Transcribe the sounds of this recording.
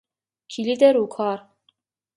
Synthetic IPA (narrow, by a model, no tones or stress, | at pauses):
kʰilid̪ɛɾukʰɑɾ